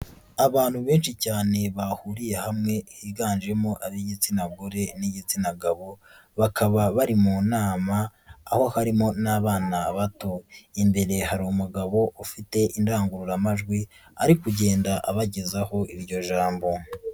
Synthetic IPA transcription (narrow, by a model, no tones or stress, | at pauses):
aβaːn̥huβe̞ːnʃicaːne̞βahuɾije̞hamŋe̞hiɡaːnʒe̞mo̞ʔaβiɟit͡sinaɡoɾe̞niɟit͡sinaɡaβo̞ | βakaβaβaɾimuːnaːmaːho̞haɾimo̞naːβaːnaβato̞imbe̞ɾe̞haɾiumuɡaβo̞ʔufite̞ʔindaːŋɡuɾuɾamaʒɡwi | a̰ɾikuɟe̞ːndaʔaβaɟezaho̞ʔiɾɟo̞ʒaːmbo̞